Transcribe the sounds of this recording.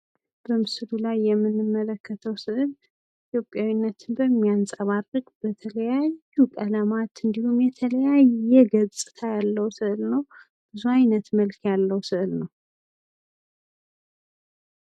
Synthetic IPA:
b̥əmɨslulajːɛmːɨnːɨmːələkʰːət̪ʰəwsɨʔɨl | it̪ʰjo̞pʼjawinːət̪ʰɨnbəmːiansʼəβarɨɡʼbət̪ʰələjajːukʼəlamat̪ɨnd̪ihumjɛt̪ʰələjajɛɡət͡sʼɨ̥t̪ʰajalːəwsɨʔɨlnəw | b̥ɨzuajnət̪məlkʰjalːəwsɨʔɨlnəw

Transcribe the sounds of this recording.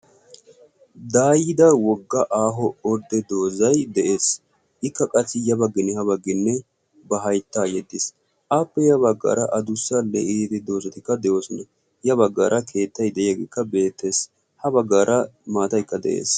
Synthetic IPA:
d̪aːjɪd̪ɐwɔɡːɐʔaːɦɔɔɾd̪ɛd̪o̞ːzɐjd̪ɛʔe̞ːs | ʔɪkːɐkʼɐsːɪjɐbɐɡːɪnːɛhɐbɐɡːɪnːɛ | bɐɦɐjt̪ːaːjɛd̪ːɪs | ʔaːpːɛjɐbɐɡːa̰ːɾɐʔɐd̪ʊsːɐlːɛ̰iːt̪ɪd̪o̞ːzɐt̪ɪkːɐd̪ɛʔo̞ːsʊnɐ | jɐbɐɡːa̰ːɾʔɐkʰe̞ːt̪ːɐjd̪ɛjɪjɐɡɪkːɐbe̞ːt̪ːeːs | hɐbɐɡːaːɾʔɐmaːt̪ɐjkːɐd̪ɛ̰ʔḛːs

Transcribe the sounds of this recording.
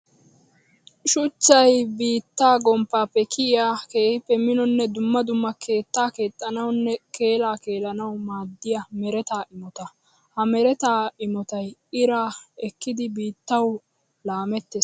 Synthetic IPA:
ʃʊt͡ʃːɐjbiːt̪ːaːɡɔmpːaːpːɛkɪɪjaːke̞ːhɪpːɛmɪnɔnːɛd̪ʊmːɐd̪ʊmːɐke̞ːt̪ːaːke̞ːt̪ʼːɐnɐwnːɛke̞ːlaːke̞ːlɐnɐwmaːd̪ːɪjɐmɛɾɛt̪aːʔɪmɔt̪ɐ | hɐmɛɾɛt̪aːɪmɔt̪ɐjɪɾaːɛkːɪd̪ɪbiːt̪ːɐw | laːmɛt̪ːe

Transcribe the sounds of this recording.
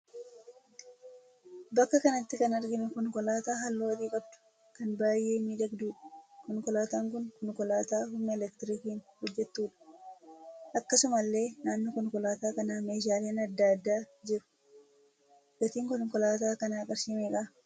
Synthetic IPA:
bɐkːɐkɐnɐt̪ːɪkɐnɐɾɡɪnʊkɔŋkɔlaːt̪aːɦɐlːoːt̪iːkʼɐb̚d̪ʊ̥ | kɐnbaːjʔe̞ːmiːd̪ɐɡd̪uːᶑɐ̥kɔŋkɔlaːt̪aːŋkʊnkɔŋkɔlaːt̪aːhʊmnɛɛlɛkt̪ɪɾikiːnhɔd͡ʒːɛt̪ːuːᶑɐ̥ | ʔɐkːɐsʊmɐlːe̞ːnaːnːɔkɔŋkɔlaːt̪aːkɐnaːmeːʃ̬aːle̞ːnɐd̪ːaːd̪ːaː | d͡ʒɪɾʊ̥ | ɡɐt̪iːŋkɔŋkɔlaːt̪aːkɐnaːkʼɐɾʃiːmeːkaː

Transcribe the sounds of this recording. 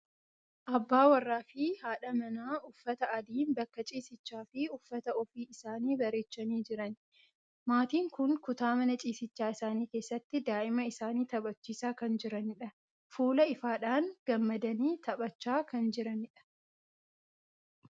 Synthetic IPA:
ʔɐbːaːwɐrːaːfɪhaːᶑɐmɐnaːʊfːɐt̪ɐɐd̪iːnbɐkːɐt͡ʃʼiːsɪt͡ʃːaːfɪʊfːɐt̪ɐɔfiːɪsaːniːbɐɾeːt͡ʃːɐniːd͡ʒɪɾɐn | maːt̪iːŋkʊnkʊt̪aːmɐnɐt͡ʃʼiːsɪt͡ʃːaːɪsaːniːke̞ːsːɐt̪ːɪd̪aːʔɪmɐɪsaːniːt̪ɐbɐt͡ʃːiːsaːkɐnd͡ʒɪɾɐnɪᶑɐ | fuːlɐɪfaːᶑaːŋɡ̥ɐmːɐd̪ɐniːt̪ʰɐbɐt͡ʃːaːkɐnd͡ʒɪɾɐnɪᶑɐ̥

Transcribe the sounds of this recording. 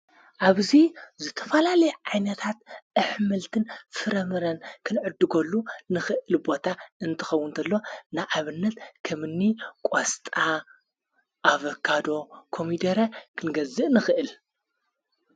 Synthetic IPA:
ʔaβzizɨt̪ʰɐfɐlalɐjʕajnɐt̪ʰat̪̚ʔɨħmɨlt̪ʰɨnfɨɾɐmɨɾɐnkʰɨnʕɨd̪ːɨɡɐlːunɨxɨʔɨlbo̞t̪ʰaɨnt̪ʰɨ̥xɐwːʊnt̪ʰɐlːo̞naʔaβɨnːɐt̪kʰɐmɨnːikʼost̪ʼa | ʔaβɐkʰːad̪o̞kʰo̞mid̪ɐɾɐkʰɨnɡɐzːɨʔnɨxɨʔɨl

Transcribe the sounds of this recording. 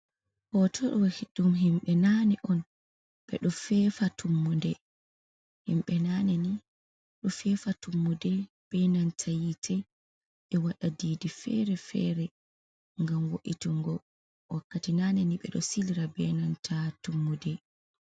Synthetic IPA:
hɔtʰɔɗɔwhiɗumɦimɓɛnaniʔɔn | ɓɛ̰ɗɔfɛfatumːundɛ | himɓɛnanɛni | ɗɔfɛfatumːudɛ | b̥ɛnantʰajitʰɛ | ɓɛwaɗadiːdifɛ̰ɾɛfɛ̰ɾɛ | ŋɡamwoʔituŋɡɔ | wakːatinanɛniɓɛ̰ɗɔsiliɾabɛnantʰatumːudɛ

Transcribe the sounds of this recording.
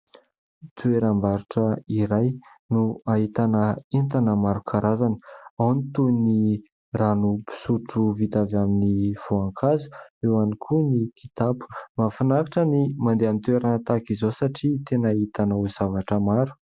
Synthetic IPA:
t̪ueɾambaɾuʈ͡ʂəiɾaj | nuaɦit̪anəint̪anəmaɾukʰaɾazanə̥awnit̪uni | ranupi̥suʈ͡ʂuvit̪avaminiv̥oaŋkʰazu̥ewanikʰunikʰit̪apu̥mafinakaʈ͡ʂənimand̪eamit̪weɾanət̪akizosaʈ͡ʂit̪enaɦit̪anəuzavaʈ͡ʂəmaɾu̥

